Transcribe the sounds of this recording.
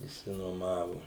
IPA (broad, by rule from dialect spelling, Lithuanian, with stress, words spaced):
ɪʃʲsʲɪnuɔˈmɑːʋʊ